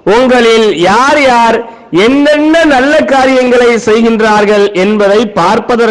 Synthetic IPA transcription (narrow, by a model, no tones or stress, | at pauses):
ʊŋɡɐɭɪljaːɾjaːɾ | ɛnːɛnːɐnɐlːɐkːaːɾɪjɐŋɡɐɭɐɪsɛjɣɪndraːɾɣɐɭʔɛnbɐðɐɪpːaːɾpɐðɐɾ